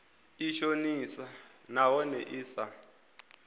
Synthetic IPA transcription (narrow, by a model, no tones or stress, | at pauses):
iʃonisanawɔnɛʔiːsa